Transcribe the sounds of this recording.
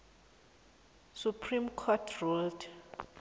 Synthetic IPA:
supʰrimkʰɔtʰruld

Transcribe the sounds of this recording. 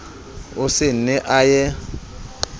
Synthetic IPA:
ʊsɪnɛʔajɛ

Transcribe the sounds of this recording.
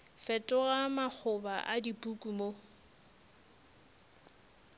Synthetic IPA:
fɛtʼʊɣamak͡xʰʊbaʔadipʼukʼumo

